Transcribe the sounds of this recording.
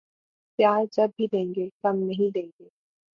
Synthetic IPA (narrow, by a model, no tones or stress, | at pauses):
pjaːɾd͡ʒɐb̚ːʱid̪ẽːŋɡekɐmnɐɦĩd̪ẽːŋɡeː